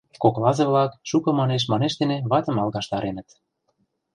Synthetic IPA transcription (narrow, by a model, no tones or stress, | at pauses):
koklɑzɤβlɑkʃukɤ̆mɑneʃ̬mɑneʃd̪eneβɑt̪ə̆mɑlˠɣɑʃt̪ɑɾenə̆t̪